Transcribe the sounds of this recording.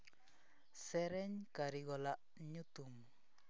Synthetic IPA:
sɛɾɛɲkaɾiɡɔlaʔ | ɲut̪um

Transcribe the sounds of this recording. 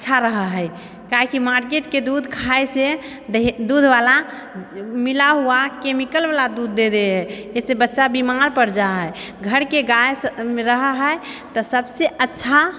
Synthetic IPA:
ətːʃʰaɾəɦəɦəj | kaɦikimaɾkeʈked̪ud̪ʱkʰajse | d̪ud̪ʱbala | milaɦuakemikəlbalad̪ud̪ːed̪eɦɛesebətːʃabimaɾpəɾd͡ʒaɦəj | ɡʱəɾkeɡajsmeɾəɦəɦəj | t̪ɔsəbseətːʃʰa

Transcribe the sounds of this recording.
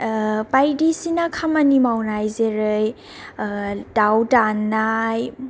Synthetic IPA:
pajdisinakʰamɐnimawnajzeɾɯj | dawdanːaj

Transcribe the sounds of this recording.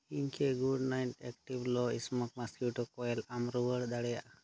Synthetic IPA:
inkʰeɡuɖnajʈɛk̚ʈiblɔismɔk̚maskuʈɔkɔjɛlamɾuwəɽd̪aɽɛjaʔ

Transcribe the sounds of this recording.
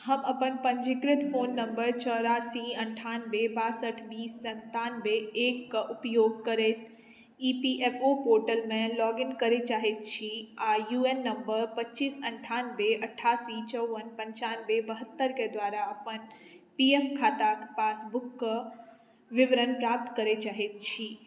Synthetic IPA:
hɐmɐpənpɐnd͡ʑɪkɾɪt̪foːnːɐ̃mbəɾt͡ɕɔːɾaːsiɐ̃ɳʈʰaːnbebaːsəʈʰbiːsːɐ̃nt̪aːnbeeːkʊpjoːɡ̚kɐɾeːt̪ʰ | iːpiʔeːfoːpoːɾʈəlmẽlɔːɡɪnkɐɾet͡ɕaːɦet̪t͡ɕʰiaːjuːenːɐmbəɾpɐtːt͡ʃisɐɳʈʰaːnbeʔɐʈʰːaːsit͡ʃəwʋənpɐ̃ɲt͡ʃaːnbebəɦət̪ːəɾked̪ʋaːɾaɐpənpiefkʰaːt̪akpaːsbʊkː | ʋɪʋɾənpɾaːp̚t̪kəɾet͡ʃaːɦet̪t͡ʃʰiː

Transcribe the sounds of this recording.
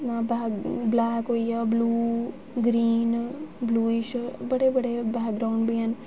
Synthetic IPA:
nãːbaːblaːkɦoijabluː | ɡɾiːnbluːiʃbɐɽebɐɽebɛːkɡɾawɳɖbijaːn

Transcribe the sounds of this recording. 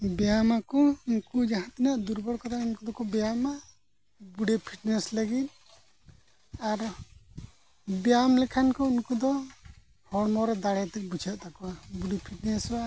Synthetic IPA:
bɛjamakɔinkud͡ʒaɦãt̪inaʔd̪uɾbɔɽkat̪ʰainkud̪ɔkɔbɛjama | buɽɛpʰiʈnɛsləɡit̪̚ | aɾ | bɛjamlɛkʰankɔinkud̪ɔ | hɔɽmɔɾɔd̪aɽɛt̪ɛk̚bud͡ʒʰaʔt̪ʰakɔabuɽipʰiʈnɛsa

